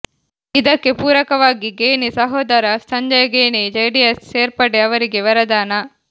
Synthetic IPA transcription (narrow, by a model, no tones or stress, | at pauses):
id̪ɐkːepuːɾɐkɐʋaːɡiɡeːnisɐɦoːd̪ɐɾasɐɲd͡ʒɐjɐɡeːned͡ʒejɖiesseːɾpɐɖeɐʋɐɾiɡeʋɐɾɐd̪aːnɐ